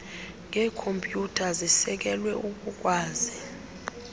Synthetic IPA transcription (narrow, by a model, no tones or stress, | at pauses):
ŋʱɛːkʰompʼjutʰazisɛk̬ɛlwɛuk̬ʼuk̬ʼwaːzi